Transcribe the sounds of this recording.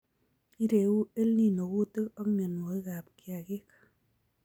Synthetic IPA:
i˦ɾe˨u˦e˦lni˦no˨ku˦te˦kɔ˦kne˨nwo˨i˦ka˨p̚kja˨ki˦k

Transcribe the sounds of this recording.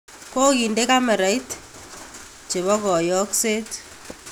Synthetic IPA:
ko˦ki˨nde˦ka˦mɛ˨ɾa˨i˦t | t͡ʃe˨βɔ˦kɔ˨jɔ˦kse˦t

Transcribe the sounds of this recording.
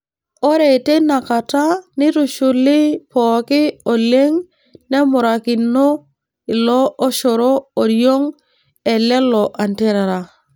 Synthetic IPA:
ɔ˦ɾe˨te˦na˨ka˨ta˦nɪ˦ɾu˨ʃʊ˨lɪ˦pɔːkɪ˦o˨le˦ŋ | nɛ˦mʊ˨ɾa˨kɪ˨no˦ | ɪ˨lɔː˦ʃɔ˨ɾo˦o˨ɾjo˦ŋ | ɛ˨lɛ˦lɔ˨ʔa˨ntɛ˦ɾa˨ɾa˨

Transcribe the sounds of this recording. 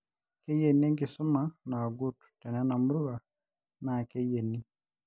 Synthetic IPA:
kɛ˦je˨ni˦ŋɡi˨su˦ma˨na˨ɡu˦tu̥˨tɛ˨nɛ˦na˨mu˦ɾu˦ɣa˨ | na˨kɛ˦je˨ni˦

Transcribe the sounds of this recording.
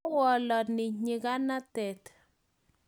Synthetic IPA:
wɔ˨lɔ˨nɪ˨ɲɪ˨ka˦na˦tɛ˨t̪

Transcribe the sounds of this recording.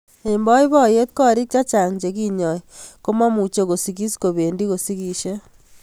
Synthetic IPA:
e˨mbɔ˦i˦βɔ˦˨je˦t̪̚kɔ˦ɾi˦k̚t͡ʃa˦t͡ʃa˨ŋd͡ʒe˨ki˦ɲɔ˨iko˦ma˦mu˨t͡ʃe˦ko˨si˨ki˦sko˨βe˨ndi˦ko˨si˦ki˨ʃe˦

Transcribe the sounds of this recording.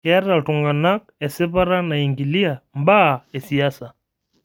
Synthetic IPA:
ɛ˦ɾa˨tuŋɡa˨na˦k̚ɛ˨sɛ˦paɾa˦na˨iŋɡi˨li˦a˨mba˦˨ɛ˨si˨a˦sa˨

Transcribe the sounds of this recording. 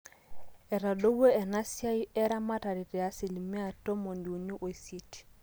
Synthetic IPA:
ɛ˨ɾa˨do˦we˦ɛ˨na˦si˦a˦i˦ɛ˦ɾa˦ma˦ta˨ɾi˨tɛ˨a˦si˨li˨me˦a˨to˦mo˨ndi˨u˨ɲu˦ʔo˨i˨sje˨ti̥˨

